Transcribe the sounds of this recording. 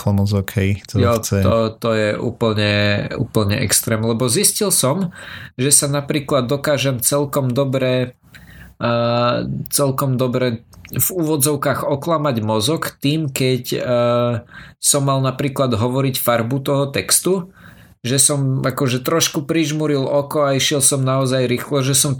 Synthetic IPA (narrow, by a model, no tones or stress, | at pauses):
ɔmɔzɔkhɛjt̪ɔjɔɛt̪ɔt̪ɔjɛʔṵːpl̩ɲɛṵːpl̩ɲɛ̰ʔɛ̰kst̪ɾɛːmlɛbɔziscilsɔmʒɛsanapɾiːklad̪ːɔkaːʒɛmt͡sɛlkɔmd̪ɔbɾɛ | t͡sɛlkɔmd̪ɔbɾɛvuːʋɔd͡zɔʊkaːɣɔklamaɟmɔzɔkt̪iːmkɛcː | sɔmːalnapɾiːklad̪ɦɔʋɔɾicfaɾbut̪ɔɦɔt̪ɛkst̪u | ʒɛsɔmakɔʒɛt̪ɾɔʃkupɾiʒmuɾilʔɔkɔaiʃɪɛlsɔmnaɔzajɾiːxlɔʒɛsɔm